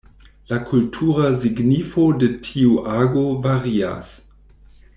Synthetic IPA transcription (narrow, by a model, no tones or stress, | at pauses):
lakʰultʰuʁaziɡnifodetʰiuʔaɡovaʁia̰s